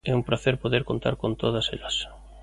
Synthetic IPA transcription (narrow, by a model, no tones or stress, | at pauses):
ɛumpɾaθeɾpoðeɾkont̪a̰ɾkont̪oð̞ɐselɐs